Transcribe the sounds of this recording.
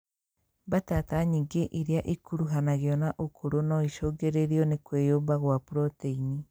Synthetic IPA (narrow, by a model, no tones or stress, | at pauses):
batataɲiɡeʔiɾeaʔikuɾuɦanaɣeɔnaʔokʰoɾonɔiʃoɡeɾeɾiɔnekwejoːmbaɣwapuɾɔteini